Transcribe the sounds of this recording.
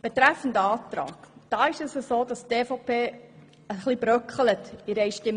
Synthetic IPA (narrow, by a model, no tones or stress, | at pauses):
b̥etɾæfːən̩dəɑːt̪ɾɑ̰ːkd̥ɑːɪʃəsəsoːd̥ɑsteːfɔpʰeː | əχlibɾœkχələtɪɾɛjʃtɪm